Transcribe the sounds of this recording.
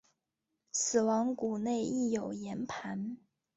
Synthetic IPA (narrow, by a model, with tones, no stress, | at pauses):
sɹ̩˨˩wɑ˧˥ŋku˨˩ne˥˧ɪi˥˩jo˨˩ʊjɛ˧˥npʰa˧˥n